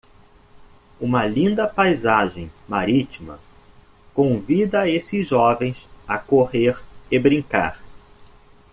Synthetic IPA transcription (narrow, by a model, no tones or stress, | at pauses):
ũmɐlĩnd̪ɐpajzaʒẽj̃maɾit͡ʃimɐ̰ | kõvid̪ɐesɪzʒɔvẽj̃sɐkoheɾɪbɾĩŋka̰ɾ